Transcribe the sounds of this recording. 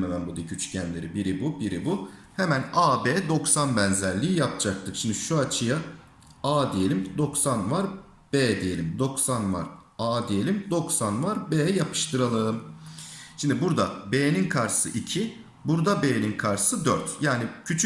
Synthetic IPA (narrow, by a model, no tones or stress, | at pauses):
memænbud̪ecʰyt͡ʃʰy̥cʰænlʲeɾibiɾibubiɾibu | hemænaːbeːd̪o̞ksanbænzæɾlʲiːjap̚d͡ʒak̚t̪ʰɯkʃimd̪ɪʃuat͡ʃʰɯja | aːd̪ijelʲimd̪o̞ksanvaɾ | b̥eːd̪ije̞lʲimd̪o̞ksanva̰ɾ | aːd̪ije̞lʲimd̪o̞ksanvaɾbeːɛjapʰɯ̥ʃt̪ʰɯɾalˠɯm | ʃimd̪ibuɾd̪abeːninkʰaɾsɯ̰ʔicʰi | buɾd̪abeːninkʰaɾsɯd̪øɾt̪jaːnicʰyt͡ʃʰ